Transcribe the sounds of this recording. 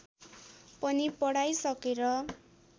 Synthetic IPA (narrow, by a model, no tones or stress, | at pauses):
pʌnipʌɽajsʌkeɾʌ